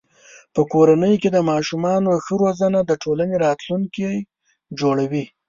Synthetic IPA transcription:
pəkoɾanəjoked̪əmɑʃumɑnoxəɾozənad̪əʈʰolaneɾɑt̪luŋkij | d͡ʒoɽawi

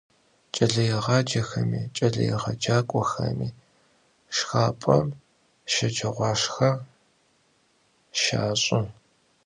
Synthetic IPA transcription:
t͡ʃʼɐɮɐjɪʁɑːd͡ʒɐxɐmḭːt͡ʃʼɐɮɐ̰jɛ̰ʁɐd͡ʒaːkʷʼɔxɐ̰miː | ʂxaːpʼɐm | ʃɐd͡ʒɐʁʷɑːʂxɐ | ʃa̰ːɕʼʊ

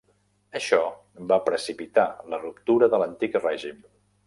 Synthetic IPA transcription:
əʃɔ | bapɾəsipit̪alərupt̪uɾəðələnt̪ikrɛʒim

